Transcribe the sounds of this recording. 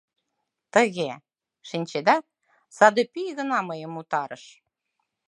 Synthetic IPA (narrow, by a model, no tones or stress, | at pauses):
t̪əɣe | ʃinʲt͡ɕed̪æ | sɑd̪epijɣə̆nɑməjə̆mut̪ɑɾəʃ